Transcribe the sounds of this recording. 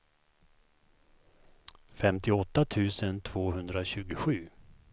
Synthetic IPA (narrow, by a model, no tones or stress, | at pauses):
fɛmt̪ɪɔt̪ːat̪ʰʉ̟ːsənt̪ʰv̥oːɦɵnd̪ɾaɕʉ̟ːɡʊɧʉ̟ː